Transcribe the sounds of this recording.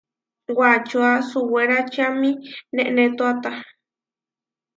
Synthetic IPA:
wat͡ʃuasuweɾat͡ʃamĩnẽʔnẽt̪uat̪a

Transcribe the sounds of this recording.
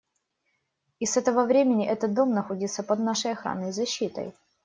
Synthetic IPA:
ɪsɛt̪əvəvɾʲemʲɪnʲɪʔɛt̪ət̪̚d̪o̞mnɐxodʲɪt̪sːəpəd̪naʂəjɐxɾa̰nːəjzɐɕːit̪ə̰j

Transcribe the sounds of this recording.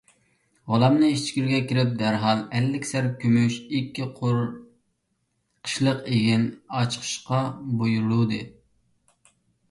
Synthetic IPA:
ʁolˠɑmnɨiʃt͡ʃʰi̥kʲiɾɡʲɛkʲʰiɾɪp̚d̪æɾɦɑlˠɛlːɪkʲsæɾkʲʰømyʃikʲːiqʰɾ | qʰə̥ʃlˠəqeɡʲinɑt͡ʃʰqʰə̥ʃqɑbojuɾlˠud̪ɨ

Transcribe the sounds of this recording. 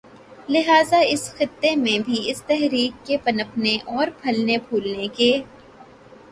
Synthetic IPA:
lɪɦaːzaɪsxɪt̪ːemẽbʱiɪst̪ɛɦɾiːkːepɐnəpneʔɔːɾpʰɐlnebʱuːlnekeː

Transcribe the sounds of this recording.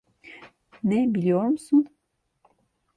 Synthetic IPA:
nɛbilʲijo̞ɾmusun

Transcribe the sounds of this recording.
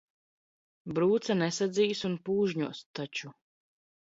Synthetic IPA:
bɾuːt̪sanɛsad̪ziːsunpuːʒɲuɔst̪at͡ʃu

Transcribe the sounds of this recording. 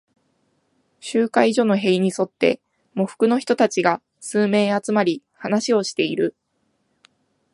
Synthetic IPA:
ɕɨːkaiʑo̞ːno̞ɦe̞iɲ̟iso̞t̪ːe̞̰ | mo̞ɸɯ̥kɯ̟no̞çi̥t̪o̞t̪at͡ɕiɡa | sɨːme̞ːat͡sɨmaɾʲi | hanaɕio̞ɕi̥t̪e̞iɾɯ̟

